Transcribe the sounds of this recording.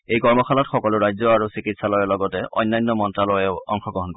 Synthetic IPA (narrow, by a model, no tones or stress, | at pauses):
ejkɔɹmɔxʰalɔtxɔkɔlʊɹajzɔaɹusikitsalɔjɛlɔɡɔtɛʔɔ̰jnːajnːɔmɔntɹalɔjɛʊɔŋxɔɡɔɦɔnkɔ